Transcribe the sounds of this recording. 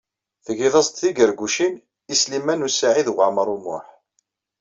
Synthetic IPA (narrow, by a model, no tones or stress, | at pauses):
θəʝiðˤɑsˤt̪θiɡəɾɡuʃin | islimænusaʕiðwaʕməɾˤumʊ̰ħ